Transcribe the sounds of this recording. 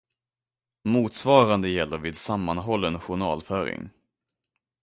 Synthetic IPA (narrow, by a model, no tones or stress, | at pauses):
muːt̪svɑːɾand̪əjɛlːəɾviːd̪samːanɦɔlːɛnɧʊɳɑ̰ːlfœːɾɪ̰ŋ